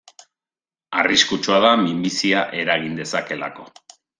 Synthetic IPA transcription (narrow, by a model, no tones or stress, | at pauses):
ariskut͡ʃoaðamimbisiaʔe̞ɾaɣ̞ind̪e̞sake̞la̰ko̞